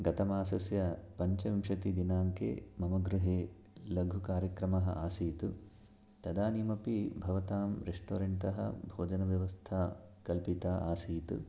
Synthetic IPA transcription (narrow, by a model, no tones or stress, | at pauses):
ɡɐt̪ɐmaːsɐsjɐpɐɲt͡ʃɐʋimʂɐt̪id̪inaːŋkḛːmɐmɐɡɾuɦeː | lɐɡʱukaːɾjɐkɾɐmɐɦɐ̰aːsiːt̪u | t̪ɐd̪aːniːmɐpibʱɐʋɐt̪aːmɾeʂʈo̰ːɾeɳʈ̪ɐɦɐ̰bʱoːd͡ʒɐnɐʋjɐʋɐst̪ʰaː | kɐlpit̪aːʔaːsiːt̪ṵ